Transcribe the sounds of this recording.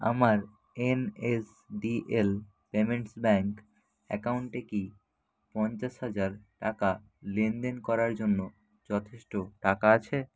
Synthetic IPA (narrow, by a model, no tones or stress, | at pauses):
a̰maɾ | enes | ɖiʔel | pemeɳʈsbɛŋk | ɛ̰kawɳʈeki | pɔnt͡ɕaʃhad͡ʑaɾʈaka | lend̪enkɔɾaɾd͡ʑonːo | d͡ʑɔt̪ʰeʃʈoʈakaat͡ɕʰe